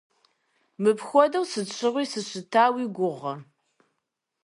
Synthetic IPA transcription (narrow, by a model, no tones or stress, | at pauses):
mɨpxʷɔdɐwsɨɕʰʼɪʁʷiːsɨɕɨtʰaːwiːɡʷʊʁɐr